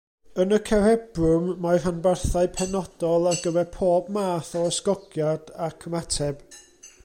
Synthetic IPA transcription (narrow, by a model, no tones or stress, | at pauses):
ənəkʰɛɾɛbrʊmːaɨr̥anbarθaɨpʰɛnɔd̥ɔlˠarɡəvɛrpʰoːbmaːθɔəskɔɡjad̥akʰəmatʰɛb̥